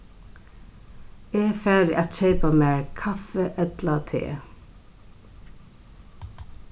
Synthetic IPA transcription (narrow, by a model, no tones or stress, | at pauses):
eːfæːdɪʔat̪ɕeɪpamæːɹkʰɑfəʔɛt̪lat̪ʰḛː